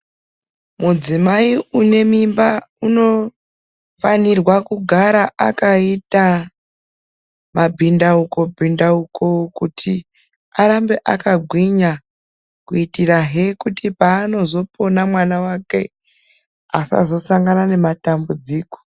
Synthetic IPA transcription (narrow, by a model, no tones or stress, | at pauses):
mud͡zimaiune̞mimbauno̞ | fanirwakuɡʱaɾaʔakaita | mabʱindauko̞bʱindaukʰo̞kutʰi | aɾambe̞ʔa̰kaɡʱwiɲa | kuitiraɦe̞kutipaːno̞zo̞pʰo̞namwanawake̞ | asa̰zo̞saŋɡanane̞matambud͡ziːko̥